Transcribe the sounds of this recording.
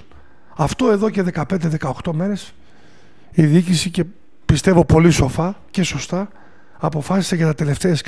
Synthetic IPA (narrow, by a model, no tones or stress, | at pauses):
ɐft̪o̞e̞ðo̞ce̞ðe̞kɐpe̞nd̪eðe̞kɐoxt̪o̞meɾe̞s | iðiicisice̞ | pist̪e̞vo̞po̞liso̞fɐce̞so̞st̪ɐ | ɐpo̞fɐsi̥seʝɐnɐt̪e̞le̞ft̪e̞ɐsk